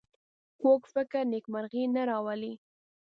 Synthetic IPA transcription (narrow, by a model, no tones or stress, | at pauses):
kokfɪkɪɾnekmaɾɣinaɾɑwali